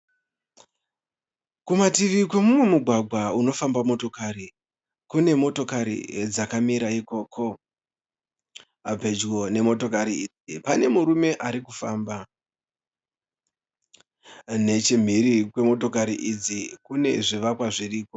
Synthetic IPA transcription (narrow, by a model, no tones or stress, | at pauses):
kumatiʋikwe̞mumwe̞muɡʱwaɡʱauno̞fambamo̞to̞kaɾi | kune̞mo̞to̞kaɾḭd͡zakamiɾaiko̞ːkʰo̞ | abʱe̞d͡ʒɡo̞ne̞mo̞to̞kaɾii | ipane̞muɾume̞ʔaɾikufaːmba | ne̞t͡ʃim̤iɾikwe̞mo̞to̞kaɾiʔid͡zikune̞̰ʐiʋakwaʐiriːko̞